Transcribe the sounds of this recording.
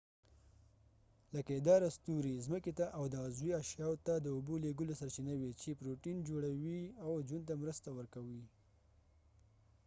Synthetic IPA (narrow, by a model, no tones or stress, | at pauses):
ləkaed̪ɑɾast̪uɾizməket̪aʔawd̪əzwiaʃjɑwt̪ad̪əuboleɡəlosaɾt͡ʃinawit͡ʃepɾoʈind͡ʒoɽawiawd͡ʒunt̪̬amɾəst̪awəɾkawi